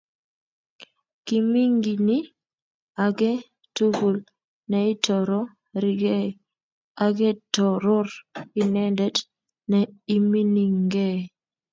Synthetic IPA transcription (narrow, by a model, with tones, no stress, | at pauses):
ki˨mi˦ŋɡi˨ni˦ | a˨ɡɛ˦ | tu˦ɡu˨l | nɛ˨ɪ˦tɔ˨ɾɔ˦ | ɾi˨ɡe˦ | a˨ɡɛ˦tɔ˨ɾo˦ɾɪ˨nɛ˦ndɛ˨˦d | nɛ˨i˦mi˦ni˨ŋɡe˦˨